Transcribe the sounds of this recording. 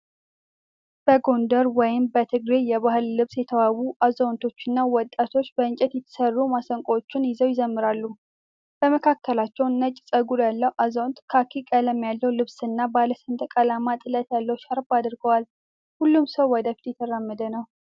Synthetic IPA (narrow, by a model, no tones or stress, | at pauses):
b̥əɡo̞nd̪əɾwɔjɪmbət̪ʰɨɡɾejɛβaɦɨlːɨβsjɛt̪ʰəwawuʔazownt̪ʰo̞t͡ʃːɨnːawɔt̪ʼːat̪ʰo̞t͡ʃːbəɨnt͡ʃʼɛt̪jɛt̪ʰːə̥sərːumasəŋkʼot͡ʃːɪnjɪzəwjɪzəmːɨɾalːu | b̥əməkʰakːəlat͡ʃːɛwnːət͡ʃʼsʼəɡuɾjalːəwʔazəwnt̪ʼkʰakʰikʼələmːjalːəwlɨβsɨnːabaləsɨnt̪ʼkʼalamat̪ʼɨlət̪jalːəwʃaɾbad̪ɾɡəwal | hulːumsəwwɔd̪əfi̥t̪jɛt̪ʰəɾamːəd̪ənəw